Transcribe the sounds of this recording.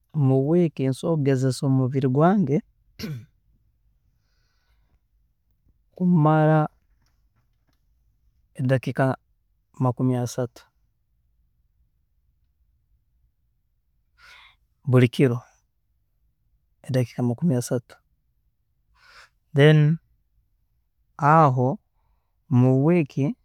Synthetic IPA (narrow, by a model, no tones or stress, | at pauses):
omuβwekinsoɡezesoːmuβiɾiɡwaːŋɡe | kumaɾa | edakika | makumiasatu̥ | buɾikiɾo | edaki̥kamakumiasatu̥ | dɛn | aɦo | muwekʰi